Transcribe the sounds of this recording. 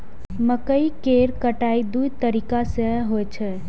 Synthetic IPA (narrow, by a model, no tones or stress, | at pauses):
məkəikeːɾkəʈaːid̪uit̪əɾiːkaseɦoet͡ʃʰɛ